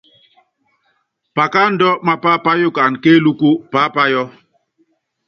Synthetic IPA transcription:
pa˨ka˦n̩˦dɔ˦ma˦pa˦pa˦jo˦ka˨n˨ke˦lu˦ku˦pa˦pa˦jɔ˦

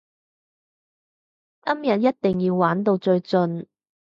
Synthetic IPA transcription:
kɐ˥mjɐ˨t̚jɐ˥t̚t̪ɪ˨˩ŋjiː˧wːaː˨˥nt̪o˧wt͡sɵ˧ɥt͡sɵ˧n

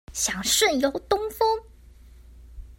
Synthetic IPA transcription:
ɕjɑ˨˩ŋʂə˥˩njo˨˧˥ʊt̪ʊ˥ŋfɤ˥ŋ

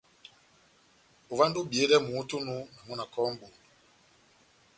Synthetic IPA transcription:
u˨va˦ndu˦bi˨e˨˦dɛ˦mu˨˦tu˦nu˦na˨mu˦na˨kɔ˦m˦bu˨n˨

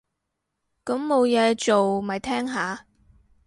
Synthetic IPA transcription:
kɐ˨˥mmo˨˧wjɛː˨˧t͡ʃo˨wmɐ˨˩jt̪ʰɛː˥ŋɦaː˨˧

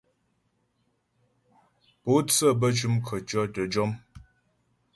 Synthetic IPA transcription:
po˨˦t͡sə˦˨bə˦t͡ʃu˦mkʰə˨t͡ʃɔ˦tə˨d͡ʒɔ˦m

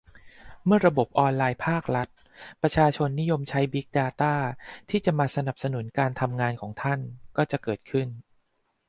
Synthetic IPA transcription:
mɯ˥˩ɐɾa˧bo˨˩p̚ʔɔː˧nlaː˧jpʰaː˥˩k̚ɾa˦˥t̪̚ | pɾa˧t͡ɕʰaː˧t͡ɕʰo˧nːi˦˥jo˧mt͡ɕʰa˦˥jbi˦˥k̚daː˧t̪aː˥˩t̪ʰiː˥˩t͡ɕa˨˩maː˧sa˧na˨˩p̚sa˧nu˩˦nkaː˧nt̪ʰa˧mŋaː˧nkʰɔː˩˦ŋt̪ʰa˥˩nkɔː˥˩t͡ɕa˨˩kɤː˨˩t̪̚kʰɯ˥˩n

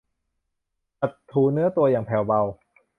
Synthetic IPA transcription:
a˨˩tʰːuː˨˩nɯ˦˥ɐt̪u˧ɐjaː˨˩ŋpʰɛː˨˩wba˧w

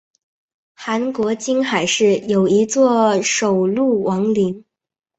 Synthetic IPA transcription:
xa˧˥nkwɔ˧˥t͡ɕi˥ŋxa˨˩ɪʂɻ̩˥˩jo˨˩ʊi˧˥t͡swɔ˥˩ʂo˨˩ʊlu˥˩wʔɑ˧˥ŋli˧˥ŋ

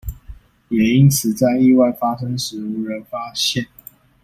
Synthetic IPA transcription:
jɛ˨˩i˦˥nt͡sʰɹ̩˨˩t͡sa˥˧ɪi˥˧wa˥˩ɪfa˥ʂə˥ŋʂɻ̩˧˥u˧˥ɻə˧˥nfa˥ɕjɛ˥˨n

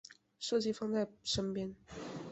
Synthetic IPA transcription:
ʂɤ˥˧t͡ɕi˥˩fɑ˥˧ŋt͡sa˥˩ɪʂə˥npjɛ˥n

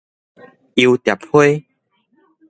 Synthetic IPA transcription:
i˧wt̪ja˨˩p̚hwe˦

